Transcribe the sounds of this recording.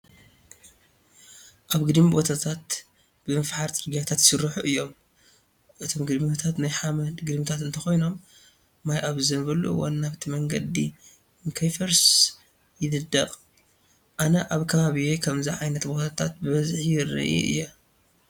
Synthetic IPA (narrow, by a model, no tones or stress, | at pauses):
ʔaβɡɨd̪mibo̞t̪ʰat̪ʰat̪ | bɨmɐfħaɾt͡sʼɨɾɡijat̪ʰat̪sɨɾːɨħuʔɨjːo̞m | ʔɨt̪ʰo̞mɡɨd̪mit̪ʰat̪najħamɐd̪ɡɨd̪mit̪ʰat̪ɨnt̪ʰɐxo̞jno̞mː | ajʔaβzɨnbɐlṵwa̰nːaβt̪ʰimɐŋɡɐd̪ḭ | ɨŋkʰɐjfɐɾs | jɪd̪ɨd̪ːɐqʼ | ʔanɐʔaβkʰɐβaβijekʰɐmziʕajnɐt̪bo̞t̪ʰat̪ʰat̪̚bɨβɐzħjɪrɨ̰ʔḭʔɨ̰jːa